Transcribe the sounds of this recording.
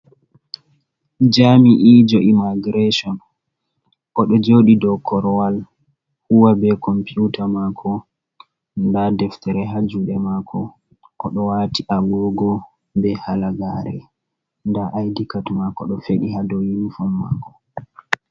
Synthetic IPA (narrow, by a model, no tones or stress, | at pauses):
d͡ʒamiʔid͡ʒɔʔimaɡiɾeʃɔn | ʔɔɗɔd͡ʒoɗidɔkʰːɔɾɔwal | huwabɛkɔmpiutamakʰɔ | ndadɛftɛɾɛɦad͡ʒuɗɛmakʰɔ | ʔɔɗɔwatiʔaɡɔɡɔ | bɛhalaɡaɾɛ̰ | ndaʔajdikatmakɔɗɔfeɗiɦadɔjinfɔmːa̰kɔ